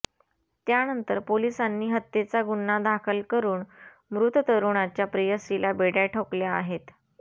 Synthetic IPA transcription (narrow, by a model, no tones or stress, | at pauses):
t̪janənt̪əɾpolisanːiːɦət̪ːjet͡saɡunːad̪akʰəlkəɾuːn | mɾut̪ət̪əɾuɳat͡ɕjapɾijəsilabeɽjaʈʰokljaːɦet̪